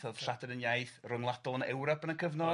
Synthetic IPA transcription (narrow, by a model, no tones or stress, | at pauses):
θoːð̥ʃatʰɛdənjajθrʊŋlˠatɔnɛwɾɔpənəkʰəvnɔ